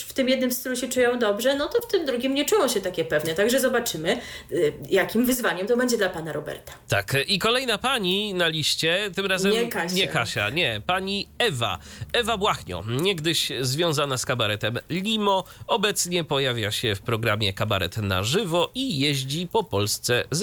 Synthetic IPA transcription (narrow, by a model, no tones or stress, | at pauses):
ft̪ɘmjɛd̪nɘmst̪luɕɛt͡ʂujɔ̃w̃d̪ɔbʐɛnɔt̪ɔft̪ɘmd̪ɾuɡʲimɲɛt͡ʂujɔ̃w̃ɕɛt̪akʲɛpɛvnɛt̪aɡʐɛzɔbat͡ʂɘmɘ | jakʲimvɘzvaɲɛmt̪ɔbɛɲd͡ʑɛd̪lapanaɾɔbɛ̰ɾt̪ḁt̪a̰kikɔlɛjnapaɲinalʲiɕt͡ɕɛt̪ɘmɾazɛmɲɛkaɲɛkaɕa̰ɲɛpaɲiɛva̰ | ɛvabwaxɲɔ̰ɲɛɡd̪ɘɕzvʲjɔ̃w̃zanaskabaɾɛt̪ɛmlʲimɔɔbɛt̪sɲɛpɔjavʲjaɕɛfpɾɔɡɾamʲjɛkaba̰ɾɛ̰t̪na̰ʐɘvɔʔijɛʑd͡ʑipɔpɔlst̪sɛz